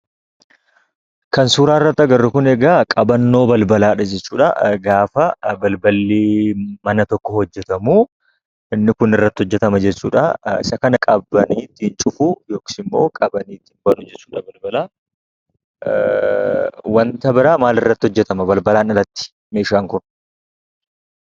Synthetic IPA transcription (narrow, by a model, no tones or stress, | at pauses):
kɐnsuːɾaːɪrːɐt̪ːɐɡɐrːʊkʊnɛɡaːkʼɐbɐnːo̞ːbɐlbɐlaːᶑɐd͡ʒɛt͡ʃːuːᶑɐɡaːfɐbɐlbɐlːimɐnɐt̪ɔkːɔhɔd͡ʒːɛt̪ɐmuː | ɪnːɪkʊnɪrːɐt̪ːɪhɔd͡ʒːɛt̪ɐmɐd͡ʒɛt͡ʃːuːᶑɐɪ̰sɐkɐnɐkʼɐbɐniːt̪ːɪɪnt͡ʃʼʊfʊjo̞ːki̥ɪmːo̞ːkʼɐbɐniːt̪ɪnbɐlʊd͡ʒɛt͡ʃːuːᶑɐbɐlbɐlaː | wɐnt̪ɐbɪɾaːmaːlɪrːɐt̪ːɪhɔd͡ʒːɛt̪ɐmɐbɐlbɐlaːnɪrːɐt̪ːɪ̥ | meːʃaːŋkʊn